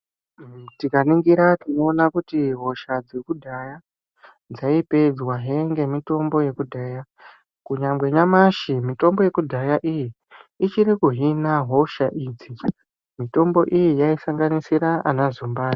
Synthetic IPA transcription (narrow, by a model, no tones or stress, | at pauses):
tikaniŋɡiɾatino̞ːnakutiɦo̞ʃad͡ze̞kudʱaja | d͡zaipe̞d͡zwaɦeŋɡe̞mito̞mbo̞je̞kudʱaːja | kuɲamɡwe̞ɲamaʃimito̞mbo̞je̞kudʱajaʔijiː | t͡ʃiɾikuɦinaɦo̞ʃaʔiːd͡zi | mito̞mbo̞ʔijijaisaŋɡanisiɾaanazumbaːri